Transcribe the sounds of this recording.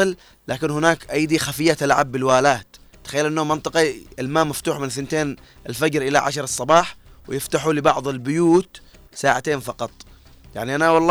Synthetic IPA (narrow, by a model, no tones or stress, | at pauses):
ɨl | laːkɪnhʊnaːkʔajd̪ixafɪjːat̪alʕabːɪlwaːlaːt̪ | t̪ːḁxajːalʔɪnːomɪnt̪ˤɨqɑɪlmaːmaft̪uːħmɪnθɪnt̪eːn | ɪlfad͡ʒɾʔɪla̰ʕa̰ʃɾˤɑsˤːɑbɑːħwɪjɪft̪aħulɪbɑʕðˤɪlbʊjuːt̪ | saːʕat̪eːnfɑqɑt̪ˤ | ja̰ʕniʔanawɑlˤː